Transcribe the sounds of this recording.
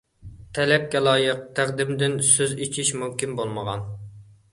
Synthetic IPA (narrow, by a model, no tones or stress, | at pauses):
t̪ʰɛlɛp̚kʲɛlˠɑːjəq̚t̪ʰæqd̪ɪmd̪ɪnsøzit͡ʃʰiʃmumkʲinbolˠməʁɑ̰n